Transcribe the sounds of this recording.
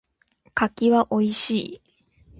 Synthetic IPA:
kakʲiβaʔo̞iɕiː

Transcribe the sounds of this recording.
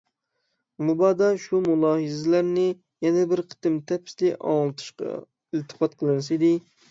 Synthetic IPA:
mubɑd̪ɑʃumulˠɑːɦɨzɪlæɾnɪ | jɛnɛbɪɾqʰə̥t̪ɨmt̪ʰɛpʰɪ̥slɪɑ̰ŋlˠɨt̪ʰɨ̥ʃqɑ̰ | ɪlt̪ʰɨ̥qɑt̪̚qʰəlˠɨnɨsid̪ɪ

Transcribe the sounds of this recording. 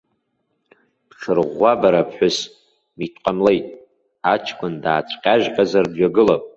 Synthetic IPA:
pχʲərʁʷːabaɾapʰħʷᶣʊs | mitʰʷʼqʼamlejtʼ | at͡ʃʰkʷʰʼʊndaːt͡ʃʷʰqʲʼaʒqʲʼazardɥaɡɨlapʼ

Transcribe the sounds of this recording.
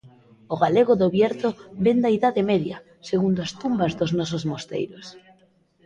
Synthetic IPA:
oɣaleɣʊðoβjɛɾt̪obend̪aiðaðemɛðjɐ | seɣund̪oʊast̪umbazðʊznɔsʊzmost̪ḛjɾʊs

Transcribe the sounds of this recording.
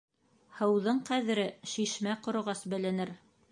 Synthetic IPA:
hɤ̆wðɤɴqæðɘ̆ɾɘʃiʃmæqŏɾŏʁɑsbɘ̆lɘ̆nɘɾ

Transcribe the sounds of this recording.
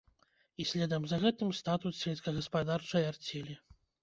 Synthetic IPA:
isʲlʲɛd̪ɐmzɐɣɛt̪ɨmst̪at̪ut̪sʲvʲɛlʲsʲkɐɣɐspad̪art͡ʂɐjart͡sʲɛlʲi

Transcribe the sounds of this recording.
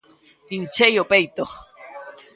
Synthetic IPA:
pint͡ʃejopejt̪o

